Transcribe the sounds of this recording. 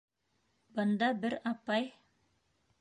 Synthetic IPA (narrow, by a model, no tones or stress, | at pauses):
bɤ̆nd̪ɑbɘɾɑpɑj